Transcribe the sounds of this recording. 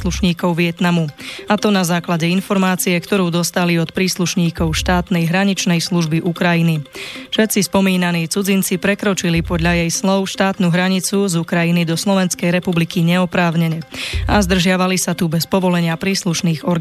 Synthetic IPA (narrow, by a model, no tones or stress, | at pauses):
luʃɲiːkɔʊʋɪɛt̪namuat̪ɔnazaːklaɟɛinfɔɾmaːt͡siɛkt̪ɔɾuːd̪ɔst̪aliɔt̪pɾiːsluʃɲiːkɔʊʃt̪aːt̪nɛjɦɾaɲit͡ʃnɛjsluʒbiʔukɾajinifʃɛt̪t͡sispɔmiːnaniːt͡sud͡zint͡sipɾɛkɾɔt͡ʃilipɔd̪ʎajɛjslɔʊʃt̪aːt̪nuɦɾaɲit͡suzukɾajinid̪ɔslɔʋɛnskɛjɾɛpublikiɲɛɔpɾaːʊɲɛɲɛazd̪r̩ʒɪaʋalisat̪ubɛspɔʋɔlɛɲɪapɾiːsluʃniːɣɔɾ